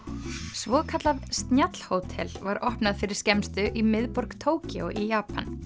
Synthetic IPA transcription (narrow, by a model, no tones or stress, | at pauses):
svɔːðkʰat̪lavst̪njat̪l̥hoːwt̪ʰɛ̰lvaɾɔhpnaðfɪɾɪ̥scɛmst̪ʏʔimɪðpɔɾkt̪ʰoːwcɪɔʔijaːpan